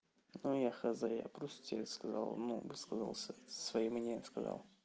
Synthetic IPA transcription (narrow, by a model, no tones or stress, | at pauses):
nujaxɐzaja̰pɾɔst̪t̪ʲelʲskɐza̰lˠnṵvɨskəzə̰lˠsʲəsvɐjimːnʲenʲɪəmskɐzɑ̰lˠ